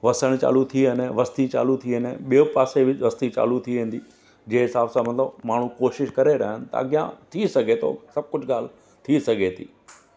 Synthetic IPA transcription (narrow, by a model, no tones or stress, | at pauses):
ʋɐsəɽ̃t͡ɕa̰ːlut̪ʰiɦənẽʋɐst̪it͡ɕa̰ːlut̪ʰiənḛ̃ɓiopaːseʋɪʋɐst̪it͡ɕa̰ːlut̪ʰiʋẽːn̆d̪iː | d͡ʑẽːɦɪsaːbsãmɐt̪ləbmaːɽ̤̃ukoːʃɪʃkɐɾeɾaːɦɪnɪt̪ɐ̰ɐ̰ɡjã̰t̪ʰisɐɡʱet̪ʰo̰sɐb̚kʊd͡ʑʱɠaːl̤ | t̪ʰisɐɡʱet̪ʰḭː